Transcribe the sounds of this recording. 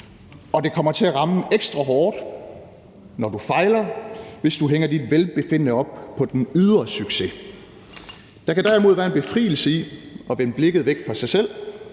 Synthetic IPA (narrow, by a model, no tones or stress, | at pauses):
ɒ̽d̥e̝kʰɒ̽m̰ɐt͡sʰe̝æʁɑ̈məeɡ̥sd̥ʁɑ̈ɦɒːd̥ | nɒd̥ufɑ̈ɪlɐʋe̝sd̥uɦeŋ̰ɐdid̥ʋelb̥e̝fe̝n̰ənəɒ̽b̥̚pʰɒ̽d̥enyðˠɐsyɡ̥se̝ | d̥æ̈kʰæd̥æɐimo̝ðˠʋæːɐe̝nb̥e̝fʁḭːl̩səiɒ̽ʋenəb̥le̝ɡ̥ð̞̩ˠʋeɡ̥̚fɒ̈sɑ̈ɪsel̰